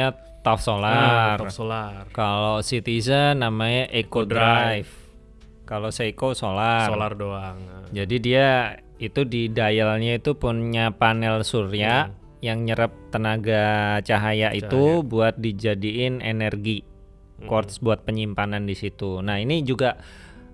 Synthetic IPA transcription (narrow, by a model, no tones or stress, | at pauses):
a | t̪afsolar | kalosit̪izənamaɲaʔekodajf | kalosəikosolalardd͡ʒadidia | it̪udidajalɲait̪upunɲapanɛlsuɾia | jaŋɲəɾəp̚t̪ənaɡat͡ʃaɦajaʔit̪ubuat̪̚did͡ʒadiɪnḛnərɡi | kɔrt̪sbuat̪̚pəɲimpanandisit̪unahinid͡ʒuɡaʔ